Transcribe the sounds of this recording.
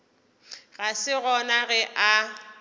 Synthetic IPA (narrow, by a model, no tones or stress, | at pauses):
ɣasɪɣɔnaɣɛʔa